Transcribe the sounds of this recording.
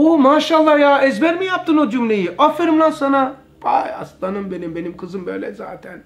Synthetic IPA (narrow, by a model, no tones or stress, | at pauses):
omaːʃaːlˠˤːɑjaezbɛɾmijap̚t̪ɨnod͡ʒumlejiʔɔfiɾmlasɐna | pa̰jɐ̰st̪anɨmbenimbenimkʰɨzɨmbɛ̰ːlɛ̰za̰ːt̪ʰɛn